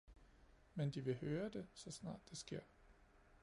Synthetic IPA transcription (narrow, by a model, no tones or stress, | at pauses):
mend̥iʋe̝høːɐd̥e̝sɒ̽snɑ̰̈ːd̥ːe̝sɡ̥e̝ɐ̰